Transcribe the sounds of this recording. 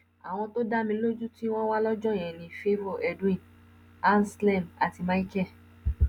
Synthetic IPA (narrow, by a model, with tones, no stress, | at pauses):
a˨w̃ɔ̃˧to˦da˦mĩ˧˦lo˦d͡ʒu˦ti˦w̃ɔ̃˦wa˦lɔ˦d͡ʒɔ̃˦˨ɛ̃˨nĩ˧fe˦vo˦˨ʔɛ˧dw̃ĩ˦˨n | a˦n˨slɛ˦˨ma˨ti˧ma˦i˦kɛ˦˨